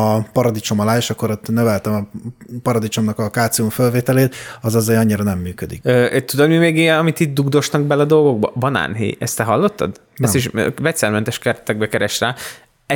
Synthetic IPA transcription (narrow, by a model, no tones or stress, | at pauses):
ɒpɒɾɒd̪it͡ʃo̞mɒlaːeːʃɒkːoɾot̪nøvɛlt̪ɛmɒpɒɾɒd̪it͡ʃo̞mnɒkɒkaːt̪siuɱfølveːt̪ɛleːt̪ɒzɒzejɒɲːiɾɒnɛmːyːkød̪ikøt̪ud̪od̪mimeːɡeɛnɒmit̪it̪̚d̪uɡd̪o̞ʃnɒɡ̚bɛlɛɒd̪o̞lɡo̞ɡ̚bɒ̰bɒna̰ːnɦḛːjɛ̰st̪ɛɦɒlːo̞t̪ːɒ̰d̪ | ɛst̪iʃøvɛc̪sɛlmɛnt̪ɛʃkɛrɛt̪ɛɡ̚bɛkɛɾɛʃraː | ɛ